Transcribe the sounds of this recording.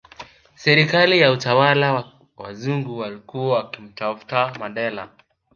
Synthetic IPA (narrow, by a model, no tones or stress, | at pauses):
sɛɾikalijautawala | wa̰zuŋɡuwalikuawakim̩tafu̥tamandɛla̰